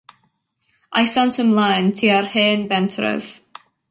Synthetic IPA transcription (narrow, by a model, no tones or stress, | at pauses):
ʔaɪsãntə̃mlãɪ̃ntʰiaɹhɛ̃ːnbɛ̃ntʰɹə̰v̥